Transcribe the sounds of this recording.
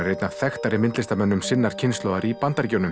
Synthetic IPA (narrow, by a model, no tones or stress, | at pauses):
rejt̪nav̥θɛxt̪aɾɪmɪnt̪lɪst̪amɛnːʏmsɪnːaɾ̥cʰɪnst̪ɔwðaɾipant̪aɾcownʏm